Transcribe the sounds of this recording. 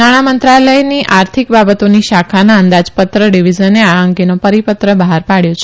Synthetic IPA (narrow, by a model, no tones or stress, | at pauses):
naɽ̃amənt̪ɾaləjniʔʔaɾt̪ʰikbabət̪oniʃakʰanaə̃nd̪ad͡ʒpət̪ɾəɖiʋid͡ʒənːeaəŋɡenopəɾipət̪ɾəbəɦaɾpaɽjõt͡ʃʰe